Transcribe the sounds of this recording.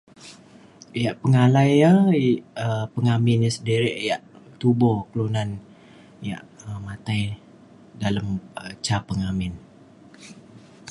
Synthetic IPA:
jaʔpəŋalajə | əpəŋamɪnəsədiɾɪʔjaʔt̪ubɔkəlunan | ja̰ʔəmat̪aj | dalamt͡ʃapəŋamɪn

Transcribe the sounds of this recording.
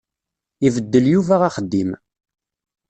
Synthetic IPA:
ivəd̪ːəljuvæʁaχəd̪ːim

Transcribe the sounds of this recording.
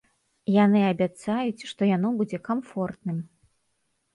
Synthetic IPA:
janɨɐbʲat̪sajut͡sʲʂt̪ɔjanɔbud͡zʲɛkamfɔrt̪nɨm

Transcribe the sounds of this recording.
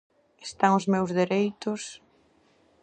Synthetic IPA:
est̪aŋʊzmewzðeɾejt̪ʊs

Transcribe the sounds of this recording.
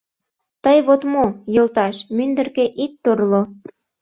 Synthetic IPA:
t̪əjβot̪mojolt̪ɑʃmynd̪ə̆rkeʔik̚t̪orlo

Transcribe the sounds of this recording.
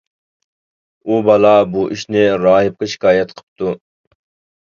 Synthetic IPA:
ubɑlˠɑbuʔiʃnɪɾɑːɦɨp̚qɑʃi̥kɑːjɛt̪qʰə̥p̚t̪u

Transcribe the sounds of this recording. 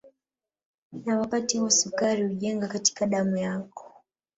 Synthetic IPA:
nawapatiasukaɾiuʄɛŋɡakati̥kaɗamujakɔ̥

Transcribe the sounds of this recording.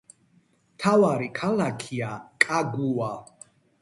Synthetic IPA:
t̪ʰawaɾikʰalakʰiakʼaɡua

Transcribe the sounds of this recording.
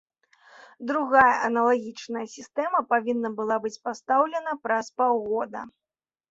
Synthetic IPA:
d̪ɾuɣajɐʔɐnɐlˠaɣʲit͡ʂnɐjɐsʲist̪ɛmɐpavʲinːɐbɨlˠabɨt͡sʲpast̪awlʲɛnɐpɾɐspawɣɔd̪ɐ̰

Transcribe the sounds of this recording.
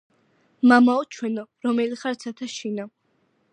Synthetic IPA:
mamaɔt͡ʃʰwɛnɔɾɔmɛliχaɾt̪sʰat̪ʰaʃinɔ

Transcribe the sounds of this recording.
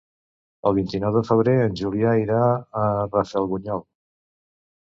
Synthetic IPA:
əlˠβint̪inɔwðəfəβ̞ɾeənʲʒuliaiɾaərəfɛlˠɣuɲɔlˠ

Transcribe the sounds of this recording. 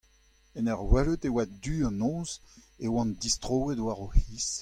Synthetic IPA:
ɛnɛʁwɛløt̪ewadyːɑ̃nɔ̃z | ewɑ̃nd̪ist̪ʁowedwaʁohis

